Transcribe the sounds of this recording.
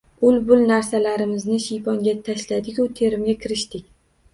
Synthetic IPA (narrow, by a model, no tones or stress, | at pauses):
ʊlbʊlnaɾsalaɾɪmɪznɪʃijpɒŋɡʲat̪ʰaʃlad̪ɪkʲʊt̪ʰe̞ɾɪmɡʲakʲɪɾɪʃt̪ɪkʲ